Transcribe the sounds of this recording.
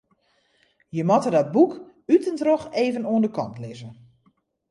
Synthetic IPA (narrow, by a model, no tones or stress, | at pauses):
jəmɔtərdɔt̚buk | ytəntroxeːvənuəndəkɔ̰ntlɪzən